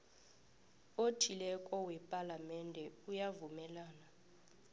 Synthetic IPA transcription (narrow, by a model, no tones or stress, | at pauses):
otʰilɛkʼɔwɛpʼalamɛndʱɛujavumɛlaːna